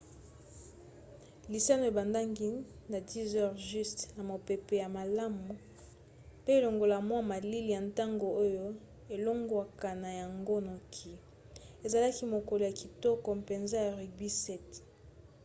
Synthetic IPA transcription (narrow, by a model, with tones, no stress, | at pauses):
li˨sa˦no˨ja˨ba˨nda˦ŋɡi˦ | na˨di˦zɛ˦ʁʒy˦stna˨mo˨pe˨pe˨ja˨ma˨la˦mu˨ | pe˦e˨lo˨ŋɡo˨la˨mwa˦ma˨li˦li˨ja˨nta˦ŋɡo˨o˦jo˦ | e˨lo˦ŋɡwa˨ka˨na˨ja˨ŋɡo˦no˨kʰi˨ | e˨za˨la˦ki˦mo˨ko˨lo˨ja˨ki˨tɔ˦kɔ˨pe˨nza˦ja˨ʁi˨bi˦sɛ˦t